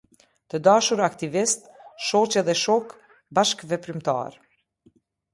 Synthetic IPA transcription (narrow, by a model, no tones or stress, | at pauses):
t̪əd̪aʃuɾakt̪ivist̪̚ʃɔt͡ɕɛðɛʃɔk | baʃkvɛpɾimt̪a̰ɾ